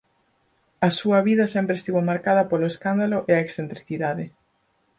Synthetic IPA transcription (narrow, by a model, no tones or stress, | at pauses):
ɐsuɐβiðɐsɛmpɾest̪iβomaɾkaðɐpoloeskand̪aloʔeɐeksθent̪ɾiθiðaðɪ